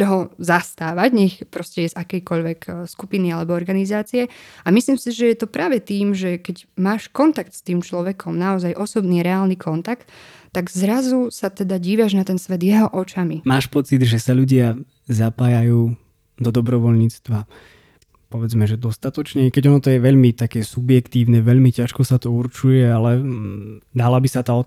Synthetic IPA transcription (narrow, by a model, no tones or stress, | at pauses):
t̪ɔɦɔzast̪aːʋaɟɲɛxpɾɔscɛjɛzakɛjkɔʎʋɛkskupinialɛbɔɔɾɡanizaːt͡sijɛamisliːmsiʒɛjɛt̪ɔpɾaːʋɛt̪iːmʒɛkɛɟmaːʃkɔnt̪ak̚t̪st̪iːmt͡ʃlɔʋɛkʰɔmnaɔzajʔɔsɔbniːɾɛaːlnikʰɔnt̪akt̪ː | aɡzɾazusat̪ɛd̪aɟiːʋaʒnat̪ɛnsʋɛd̪jɛɦɔʔɔt͡ʃamimaːʃpɔt͡sid̪ʒɛsaʎuɟɪa | zapaːjajuː | d̪ɔd̪ɔbɾɔʋɔʎɲiːt͡st̪ʋa | pɔʋɛd͡zmɛʒɛd̪ɔst̪at̪ɔt͡ʃɲɛkɛɟɔnɔt̪ɔjɛʋɛʎmit̪akɛːsubjɛkt̪iːʊnɛʋɛʎmicaʃkɔsat̪ɔuɾt͡ʃujɛalɛ | d̪alabisat̪aɔ